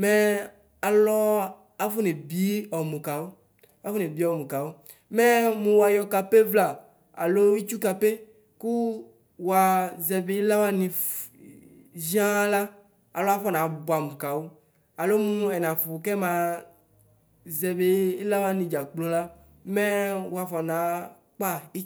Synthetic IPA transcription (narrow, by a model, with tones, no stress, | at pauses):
mɛ˦ | a˨lɔ˦ | a˦fo˦ne˨bi˦ɔ˨mũ˨ka˨wo˦ | a˨˦fo˦ne˨bi˦ɔ˨mũ˨ka˨wo˦ | mɛ˦mũ˨wa˨jɔ˨ka˨pe˦vla˨ | a̰˨lo˦wi˦t͡ʃu˦ka˨pe˦ | ku˦ | wa˨zɛ˨be˦i˦la˦wa˦nĩ˨ | zi˦ã˦la˦ | a̰˨lo˦a˦fɔ˦nã˨˦bo˨a˨mu˨ka˨wo˦ | a˨lo˦mũ˦ɛ˨nã˨fu˨kɛ˦mã˨ | zɛ˨be˨i˦la˦wa˦nĩ˨d͡ʒa˨k͡plo˦la˦ | mɛ˦wo˦a˨fɔ˨nã˨˦ | k͡pa˦i˦